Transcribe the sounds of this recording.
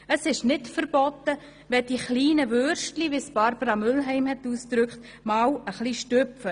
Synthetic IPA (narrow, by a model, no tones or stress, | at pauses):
əsɪʃnɪtfəɾb̥ɔtːə | ʋɛd̥iχliːnəʋøɾʃtliʋisb̥ɑɾbəɾɑmʏlɦɛɪmhɛtuːsd̥ɾʏkχt | maːwəχliʃtøfə